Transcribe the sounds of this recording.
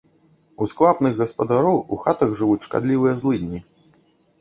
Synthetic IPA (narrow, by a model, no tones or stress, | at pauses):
usklˠapnɨɣɣɐspɐd̪aɾɔwuxat̪ɐɣʐɨvut͡sʲʂka̰d̪lʲivɨjɐzlˠɨd̪ʲnʲi